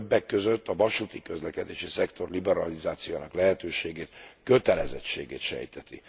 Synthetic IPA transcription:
bːɛkːøzøt̪ːɒvɒʃut̪ikø̞zlɛkɛd̪eːʃisɛkt̪o̞rlibɛɾɒlizaːt̪sijojaːnɒklɛɦɛt̪øːʃeːɡeːt̪kø̞t̪ɛlɛzɛt͡ʃḛːɡḛːt̪ʃɛ̰jt̪ɛt̪ḭ

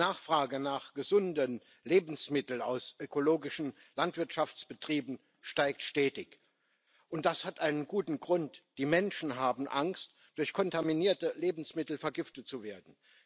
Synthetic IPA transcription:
aːχfʁ̥aːɡənaːχɡ̥əzʊndən | leːbn̩smɪtl̩a̰ʊsʔøkʰoloːɡɪʃn̩ | lantv̥ɪɐtʃaft͡sb̥ətʁ̥iːbn̩ | ʃtaɪk̚tʃtɛːtɪç | ʔʊntd̥ashatʔaɪnənɡuːtn̩ɡʁʊntd̥iːmɛnʃn̩ɦaːbm̩ʔaŋst | d̥ʊɐçkʰɔntaminiːɐtəleːbn̩smɪtl̩fɛɐɡɪftət̚t͡suveːɐdn̩

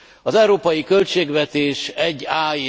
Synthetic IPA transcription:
ɒzɛuɾoːpɒjikø̞lt͡ʃeːɡvɛt̪eːʃɛɟːaːi

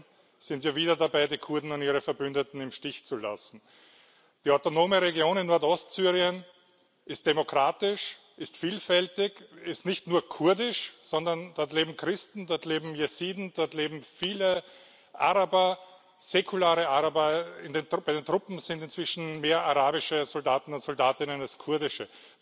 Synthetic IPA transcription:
sɪntjaːviːdɐdabaɪdiːkʰʊɐdn̩ʊntiːʁəfɛɐbʏndətn̩ɪmʃtɪçt͡sula̰sn̩ | d̥iaʊtonoːməʁeɡjoːnɪnːɔɐtɔstsyːʁiən | ʔɪst̚d̥emokʁaːtɪʃ | ʔɪstfiːlfɛltɪçɪstnɪçtnuːɐkʰʊɐdɪʃsɔndɐnd̥ɔɐtleːbm̩kʁɪstn̩dɔɐtleːbm̩jesiːdn̩d̥ɔɐtleːbm̩fiːlə | ʔa̰ʁabɐ | z̥ekʰʊlaːʁəaʁabɐɪndenbaɪdeːntʁʊpm̩zɪntɪntt͡sv̥ɪʃn̩meːɐʔaʁaːbɪʃəzɔldaːtn̩ʊntsɔldaːtɪnənalskʰʊɐdɪʃə

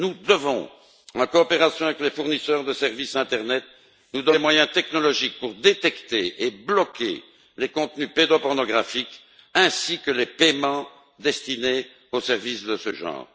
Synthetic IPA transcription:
nud̪əvɔ̰̃ | ɑ̃kɔːpeʁasjɔ̃avɛklefuʁnisœːʁd̪əsɛʁvisɛ̃t̪ɛʁnɛt̪̚ | nud̪ɔmwajɛ̃t̪ɛknɔlɔʒik̚puʁd̪et̪ɛkt̪eeblɔkʲḛ | lekɔ̃t̪nyped̪opɔʁnɔɡʁafik | ɛ̃sikəlepemɑ̃ | d̪ɛst̪ine | osɛʁvisd̪əsəʒɑ̰̃ːʁ

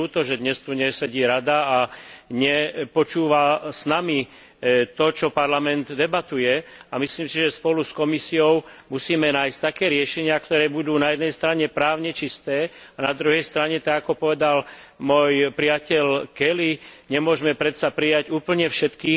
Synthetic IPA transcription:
ut̪ɔʒɛd̪ɲɛst̪uɲɛsɛɟiːɾad̪aaɲɛpɔt͡ʃuːʋasnami | t̪ɔt͡ʃɔpaɾlamɛnd̪d̪ɛbat̪ujɛamisliːmsiʒɛspɔluskɔmisiɔʊmusiːmɛnaːjsct̪akɛːɾɪɛʃɛɲɪakt̪ɔɾɛːbud̪uːnajɛd̪nɛjst̪ɾaɲɛpɾaːʊɲɛt͡ʃist̪ɛː | anad̪ɾuɦɛjst̪ɾaɲɛt̪aɡakɔpɔʋɛd̪al | mʊɔjpɾiacɛʎkɛliɲɛmʊɔʒɛmɛpɾɛt̪sapɾijaɟuːpl̩ɲɛfʃɛt̪kiːx

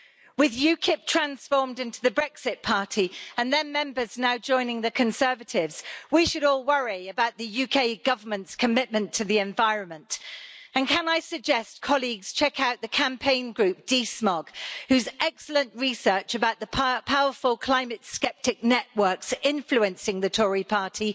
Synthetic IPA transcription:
wɪðjʉkʰɪp̚tʰɹ̥ãnsfɔɹmdɪ̃ntuðəbɹɛksɪt̚pʰɑˑtʰiə̃nðə̃nmɛ̃mbə˞znaʊd͡ʒɔ̃ɪ̃nɪ̃ŋðɨkʰə̃nsɜ˞vətʰɪvz̥wiʃɨɾɔːlˠwʌɹiəbaʊʔ̪̚ðɨjʉkʰeɪɡʌvə˞mə̃ntskʰəmɪʔ̚mə̃ntʰɨðiɛ̃ɱvaɪɹə̃nmə̃ntə̃nkʰə̃naɪsɨɡ̚d͡ʒɛstkʰɒliɡz̥t͡ʃʰɛkʰaʊʔ̪̚ðɨkʰæ̃mpʰẽɪ̃nɡɹʉp̚d̥ismɔɡ̥hʉzɛksl̩ə̃nʔɹisɜ˞t͡ʃɨbaʊʔ̪̚ðəpʰpʰaʊə˞fəlˠkʰl̥ãɪ̃mɨtskɛp̚tɪk̚nɛʔwɜ˞ksɪ̃ɱfluɨ̃nsɪ̃ŋðɨtʰɔɹipʰɑɹtʰi

